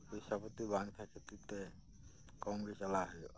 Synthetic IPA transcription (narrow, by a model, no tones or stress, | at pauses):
kisapɔt̪ibaŋt̪ʰaket̪it̪e | kɔŋɡɾesalaɦɔj